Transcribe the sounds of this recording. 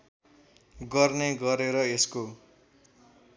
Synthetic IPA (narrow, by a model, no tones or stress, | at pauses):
ɡʌrneɡʌɾeɾʌesko